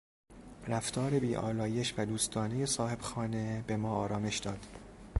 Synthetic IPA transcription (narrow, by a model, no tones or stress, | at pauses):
ræft̪ʰɒːɾe̞biːʔɒ̰ːlɒːje̞ʃvæd̪uːst̪ʰɒːneje̞sɒːhe̞b̥xɒːnebe̞mɒːɒːɾɒːme̞ʃd̪ɒːd̪̥